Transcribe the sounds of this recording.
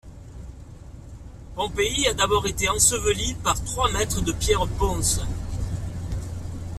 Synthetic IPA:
mɔ̃peiad̪abɔʁet̪eɑ̃səvəlipaʁt̪χwamɛt̪χəd̪əpjɛʁbɔ̃s

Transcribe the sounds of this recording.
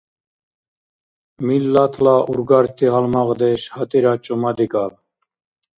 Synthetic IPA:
milːat̪ʰlaʔuɾɡaɾt̪ʰʼiɦalmaʁd̪ɛʃhat̪ʼiɾat͡ʃʼumad̪ikʼal

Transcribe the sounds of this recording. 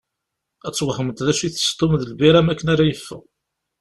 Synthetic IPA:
æt͡sːwəħəmət̪ðæʃiθə̥st̪ˤomðəlbiɾæmækːənæɾæjəfːʊ̰

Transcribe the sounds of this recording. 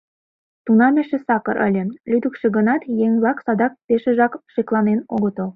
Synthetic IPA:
t̪unɑmʲeʃĕsɑkɤ̰ɾʔɘ̰̆lʲĕlʲyd̪ɘkʃĕɡə̆nɑt̪jeŋlɑksɑd̪ɑk̚peʃĕʒɑkʃeklˠɑnenoɣə̆t̪ɤ̆l

